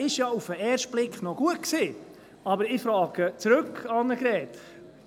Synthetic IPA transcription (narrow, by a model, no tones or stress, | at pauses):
ɪʃjɑufəɛːʃt̚b̥lɪkχnoɡ̥uət̚kseː | ɑbəɾɪfɾɑːɡ̥ət͡sɾʉkʰɑnəɡɾɛːt